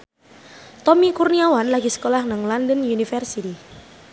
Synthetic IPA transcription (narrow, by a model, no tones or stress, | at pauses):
t̪ɔmikurniawanlaɡisə̥kolahnəŋlandənunifɛrsit̪i